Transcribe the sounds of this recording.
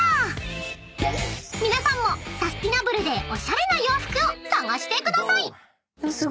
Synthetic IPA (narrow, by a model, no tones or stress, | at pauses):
mʲinasãmːo̞sasɨ̥t̪ʲinabɯ̟ɾɯ̟d̪e̞ʔo̞ɕaɾe̞najo̞ːɸɯ̥kɯ̟osãŋɡaɕi̥t̪e̞kɯ̟d̪asai